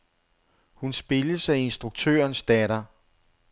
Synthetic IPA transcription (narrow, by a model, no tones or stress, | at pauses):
hunsb̥e̝ləsæe̝nsd̥ʁuɡ̥̚t͡sʰø̰ːɐnsd̥ɛɾɐ